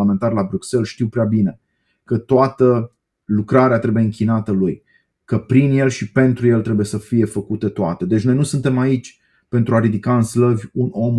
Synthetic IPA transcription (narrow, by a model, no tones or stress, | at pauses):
ame̞nt̪arlabɾukse̞lʃt̪iwpɾeabine̞ | kət̪oat̪ə | lukɾaɾeat̪ɾe̞bujeɨŋkʲinat̪əluj | kəpɾinje̞lʃipe̞nt̪ɾuje̞lt̪ɾe̞buje̞səfije̞fəkut̪et̪oat̪e̞d̪e̞t͡ʃʲno̞jnusunt̪e̞mait͡ʃʲ | pe̞nt̪ɾuaɾid̪ikaɨnsləvʲuno̞m